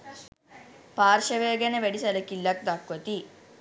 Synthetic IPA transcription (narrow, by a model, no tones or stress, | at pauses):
paːɾʃɐʋeːɡɐnɐʋeɽisɐlɐkilːɐk̚d̪ɐkʋɐt̪i